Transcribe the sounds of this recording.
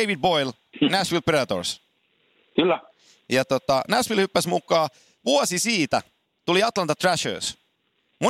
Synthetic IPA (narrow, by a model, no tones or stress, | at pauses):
eiʋid̪̚bojl | næsʋilpreɑt̪o̰rs | kylːæ | jɑt̪ot̪ɑnæsfilhypːæsmukːˑɑː | ʋuɔsisiːt̪æ | t̪uliɑt̪lɑnt̪ɑt̪ræʃø̰ːs | mu